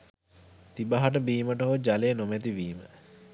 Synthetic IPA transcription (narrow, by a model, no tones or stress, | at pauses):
t̪ibaɦaʈəbiːməʈəɦod͡ʒaleːnomæt̪iʋiːmə